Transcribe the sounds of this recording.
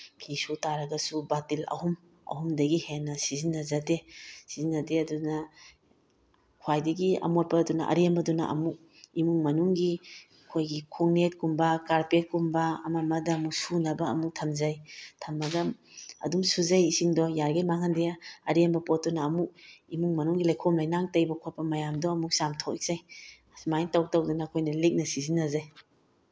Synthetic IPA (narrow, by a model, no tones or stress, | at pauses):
pʰisutaɾɐɡɐsubatilɐ̰hum | ɐ̰ɦumdɐɡihenːɐsizinːɐzadesizinːɐdeɐdunɐ | kʰwajdɐɡiɐ̰mot̚pɐdunaʔɐ̰ɾembɐduna̰ʔɐ̰mu | imuŋmɐnuŋɡi | kʰojɡikʰuŋnet̚kumbɐkaɾpet̚kumbaːmamɐdɐːmuksunɐbɐːmuk̚tʰɐmzajtʰɐmːɐɡamɐ̰dumsuzajisiŋdɔjaɾɡajmaŋandejaɐɾembɐpɔt̚ːunaːmuk̚imuŋmɐnuŋɡilajkʰɔmlajnaŋtɐjbɐkʰot̚pɐmɐjamdɔːmuk̚samtʰokik̚saj | smajntaw̚tawdunakʰojnɐlik̚nɐsizinːɐzaj